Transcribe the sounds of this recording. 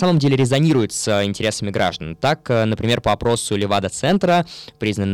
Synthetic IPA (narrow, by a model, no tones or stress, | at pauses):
saməmdʲelʲɪɾʲɪzɐnʲiɾʊjɪt̪sɪnʲtʲɪɾʲe̞səmʲɪɡɾa̰ʐd̪ə̰nt̪akːnəpɾʲɪmʲe̞rpəɐpɾo̞sʊlʲɪvad̪ət̪sɛnt̪ɾəpɾʲiznən